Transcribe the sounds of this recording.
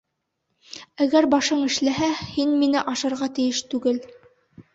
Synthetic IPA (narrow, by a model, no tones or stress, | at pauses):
æɡæɾbɑʃɤɴɘ̆ʃlæɦæhinminɘʔɑʃɤ̆ɾʁɑt̪ɘ̆jɘʃt̪ʉɡɘl